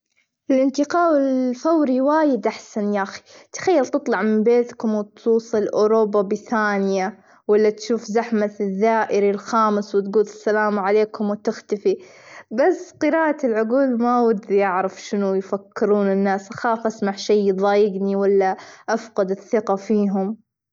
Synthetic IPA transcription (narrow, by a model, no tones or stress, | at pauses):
ʔɪlʔɪnt̪ɪqɑːwɪlfawɾiwaːjɪd̪ʔaħsanjaːxi̥t̪xajːalt̪ɨt̪ˤlɑʕmɪmbeːt̪kʊmwɪt̪ʰuːsˤɨlʔoːɾoːbːabɪθaːnɪja | walːat̪ʃuːfzaħmatðːaːʔɪɾilxaːmɪswɪt̪ɡuːd̪ɪsːalaːmʕaleːkʊmwɪt̪ɪxt̪afibasːqɨɾaːʔalʕʊɡuːlmawad̪ijaʕɾɪfʃɪnujfakːɪɾuːnɪnːaːsʔaxaːfʔasmaʕʃijːðˤɑːjɪɡniwalːaʔafqɑd̪ɪθːɪqɑfiːɦʊm